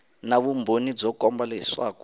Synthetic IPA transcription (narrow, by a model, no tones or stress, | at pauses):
naβumbonid͡zɔkɔmbalɛsaku